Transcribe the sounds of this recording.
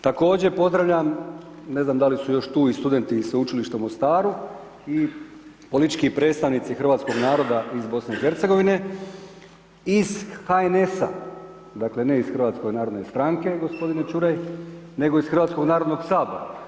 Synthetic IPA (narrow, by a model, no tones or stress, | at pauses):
t̪ako̞ːd͡ʑe̞po̞zd̪ɾaʋʎam | ne̞znaːmd̪alisujo̞ʃt̪uːist̪ud̪e̞nt̪iseut͡ʃiliʃt̪aumo̞st̪aːɾu | i | po̞lit̪i̥t͡ʃkipɾe̞ːt̪st̪aʋnit̪sixr̩ʋaːt̪sko̞ɡnaːɾo̞d̪aʔizbo̞sne̞ixe̞ɾt̪se̞ɡo̞ʋine̞ | izxaene̞sa̰ | d̪akle̞ne̞isxrʋaːt̪sko̞jnaːɾod̪nest̪ɾaŋke̞ɡo̞spo̞d̪inet͡ʃuɾajne̞ɡo̞isxr̩ʋat̪sko̞ɡnaːɾod̪noɡsaːba̰